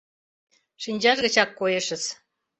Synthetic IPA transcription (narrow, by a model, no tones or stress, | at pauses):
ʂinʲd͡ʑɑʒɣə̆t͡ɕɑkːojɤ̆ʃə̆s